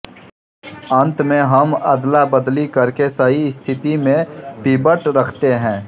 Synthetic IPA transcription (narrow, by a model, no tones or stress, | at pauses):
ə̃nt̪mẽɦɐməd̪labəd̪likɐɾkesəɦiɪst̪ʰɪt̪imẽpiːbəʈɾɐkʰt̪eɦɛ̃ː